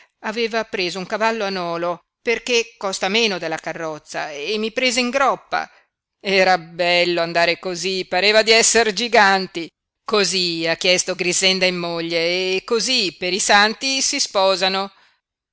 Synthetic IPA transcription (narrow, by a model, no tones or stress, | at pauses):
aveːvapɾeːzouŋkavalːoanɔːlo | perkekːɔst̪ameːnod̪elːakarːɔt̪sːa̰emːipɾeːzeiŋɡɾɔpːa̰ | ɛːɾabɛlːoand̪aːɾekozipaɾeːvad̪iɛsːerd͡ʒiɡant̪i | koziakːjɛst̪oɡɾizɛnd̪aimːoʎːeːkːozipeɾisant̪isispɔːzano